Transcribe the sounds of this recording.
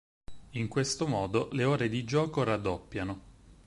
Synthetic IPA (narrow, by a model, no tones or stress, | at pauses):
iŋkwest̪omɔːd̪oleoːɾed̪id͡ʒɔːkoɾad̪ːopːjano